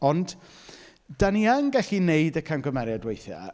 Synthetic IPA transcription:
ɔnd̥ | d̥aniəŋɡɛɬineɨdəkʰanɡɔmɛɾjadwejθja̰

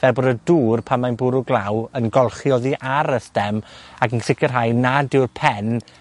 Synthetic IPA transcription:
vɛlbɔdəduːrpʰamajnbʊɾʊɡlˠawənɡɔlˠχjɔðiʔaɾəstɛmaɡənsɪkʰərɦajnadɪwrpʰɛn

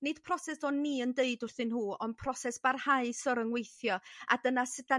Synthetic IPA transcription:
nɪd̥pʰrɔsɛsɔnːiːəndeɨdʊrθɨnhuːɔn̚pʰrɔsɛsb̥arhaɨsɔɾəŋwejθjɔa̰dənasɪda

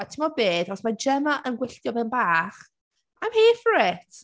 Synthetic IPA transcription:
atʰɪmɔbeːdɔsmad͡ʒɛmaʔənɡwɪɬtjɔbɛnbaːχ | ajmheːfrɛtʰ

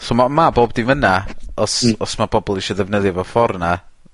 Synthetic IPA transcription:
somamaboːbdivənaɔsɔsmab̥ɔbɔlˠiʃɔðɛvnəðjɛvɔfɔrna

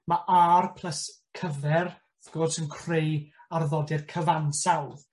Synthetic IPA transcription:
maʔarpʰl̥ˠəs | kʰəvɛr | ðɡ̥o̥sənkʰr̥ejarðɔdɪrkʰəvansawð

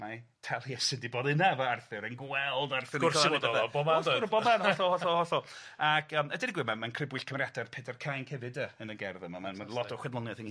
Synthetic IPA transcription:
ma | tʰɛlˠjɛsɨndibɔðɨnavəarθɨɾənɡwɛlˠdarθɨʊrdɔlaɔbɔmadɾbɔmanhɔɬɔlˠhɔɬɔlˠhɔɬɔlˠakʰəːmədɪniɡwɪmanmankʰrɪbwɪɬkʰəmrjadarpʰedʰɛrkʰajnkʰɛvɨdəənəɡɛrðəmamanmanlˠɔtʰɔχwɛnlˠɔnjaθən

